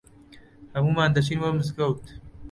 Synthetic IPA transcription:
hɐmuːmaːnd̪ɐt͡ʃiːnwɐmɨzɡɐwt̪

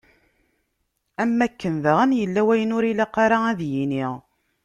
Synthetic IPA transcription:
æmːækːənðəʁənjəlːæwæjənʊɾilæqːɑɾaæðjiniʁ

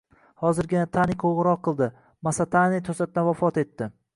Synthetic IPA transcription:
hɒzɪɾɡʲɪnat̪ʰanɪjkʰowʁɨɾɒqʰːɨlˠd̪ɪ | masat̪ʰanit̪ʰosat̪̚d̪anvafɒt̪e̞t̪ːɪ

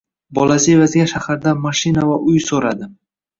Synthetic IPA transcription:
bɒlasɪvazɡʲaʃahaɾd̪amaʃɪnavaʔʊjsoɾad̪ɪ

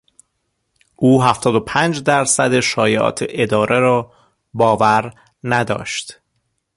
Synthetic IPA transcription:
ʔuːɦæft̪ɒːd̪o̞pʰæːnd͡ʒd̪æɾsæd̪e̞ʃɒːjeʔɒ̰ːt̪ʰeʔed̪ɒːɾʔeɾɒː | bɒːvæɾ | næd̪ɒ̰ːʃt̪

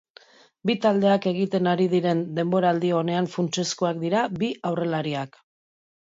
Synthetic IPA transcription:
bit̪ald̪e̞ake̞ɣ̞it̪e̞naɾiðiɾe̞nd̪e̞mbo̞ɾaːld̪io̞ne̞aɱfunt͡ʃe̞skoakd̪iɾabiawre̞laɾiak

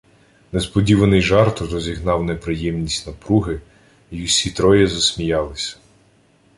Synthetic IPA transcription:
nespɔdʲiʋɐnɪjʒɑrt̪ɾɔzʲiɦnɑwnepɾɪjɛmnʲisʲtʲnɐpɾuɦɪ | iʊsʲit̪ɾɔjɛzɐsʲmʲijɑlˠɪsʲɐ̥

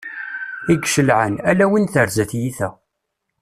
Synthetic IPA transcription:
iɡʃəlʕə̰nælæwinθəɾzæθjiθæ̰

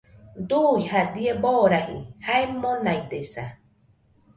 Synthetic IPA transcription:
d̪ujhad̪ieboɾahḭhaemːonãjd̪esa

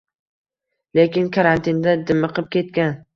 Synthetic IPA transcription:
le̞kʲɪnkʰaɾant̪ʰɪnd̪ad̪ɪmɨqɨp̚kʲʰe̞t̪̚kʲan

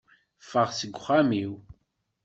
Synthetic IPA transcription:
fəʁsəɡʷːχamiw

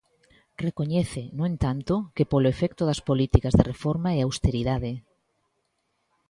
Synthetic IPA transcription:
rekoɲɛθenõẽnt̪ant̪okepoloefɛkt̪oðɐspolit̪ikazðerefoɾmaɛawst̪eɾiðaðe

